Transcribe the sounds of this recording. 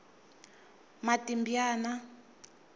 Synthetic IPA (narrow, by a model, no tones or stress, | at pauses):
matimbjaːna